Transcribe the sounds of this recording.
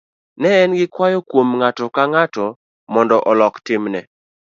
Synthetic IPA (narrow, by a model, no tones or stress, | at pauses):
nɛɛnɡɪkwajɔkwomŋatɔkaŋatɔ | mɔndɔʔɔlɔktɪmnɛ